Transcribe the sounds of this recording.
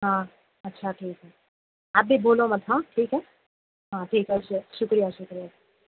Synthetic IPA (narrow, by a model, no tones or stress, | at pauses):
ɦãː | ɐtːʃʰaʈʰiːkɦɛ | aːp̚bʱiboːlõmɐt̪ʰãʈʰiːkɦɛː | ɦãːʈʰiːkɦɛʃʊkɾijaʃʊkɾija